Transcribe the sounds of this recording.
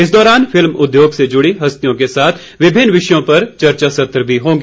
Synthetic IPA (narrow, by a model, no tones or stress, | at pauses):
ɪs̬d̪ɔːɾaːnfɪlmʊd̪joːɡsed͡ʒʊɽiɦɐst̪ijõk̬esaːt̪ʰ | ʋɪbʱɪnʋɪʃjõpɐɾt͡ʃɐɾt͡ʃasɐt̪ɾəbʱiɦõːɡeː